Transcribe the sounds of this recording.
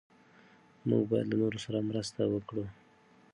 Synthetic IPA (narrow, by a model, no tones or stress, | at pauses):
mṵɡ̚bɑja̰d̪lanoɾosaɾamɾəst̪awəkɽu